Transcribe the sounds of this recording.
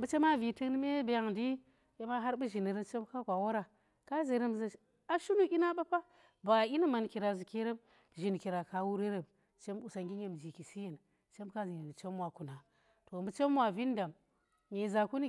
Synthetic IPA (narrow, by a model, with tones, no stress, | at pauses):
mbu˦t͡ʃe˦ma˦vi˨ti˦kn˦me˦be˨ja˦ŋdi˦ | je˦ma˦ɦa˦ɾbɨ˦ʒi˨ni˨ɾə˦mt͡ʃe˦m˦ka˦kʷa˨wa˦ɾa˨ | ka˦ze˨ɾə˦mza˨ | a˦ʃu˦nu˦ʔʲi˦na˦ɓa˦pa˦ | ba˨i˦ni˦ma˨nki˨ɾa˨zu˨ke˦ɾə˦m | ʒi˨n˨ki˨ɾa˨ka˨wu˦ɾe˦ɾə˨m | t͡ʃe˦m˦u˨sa˨ŋɡi˦ɲe˨md͡ʒi˨ki˨si˦je˨n | t͡ʃe˦m˦ka˦zi˨e˨n˨t͡ʃe˦mwa˨ku˨na˨ | to˨mbə˨˦t͡ʃe˦mwa˨vi˦n˦da˨m | ɲe˨za˨ku˦ni˦